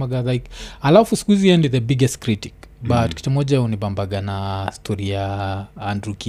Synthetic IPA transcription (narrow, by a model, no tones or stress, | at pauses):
aɡalajkalafuskwiziɛ̃ndiðəbiɡɛstkɾitikbatki̥tumɔʄaunibambaɡanastʰɔɾiaandɾuki